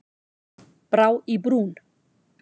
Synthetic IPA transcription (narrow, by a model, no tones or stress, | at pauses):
b̥ɾawibɾuːn